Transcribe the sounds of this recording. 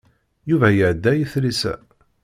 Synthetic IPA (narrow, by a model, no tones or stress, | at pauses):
juvæjəʕd̪ːæjəθlisæ̰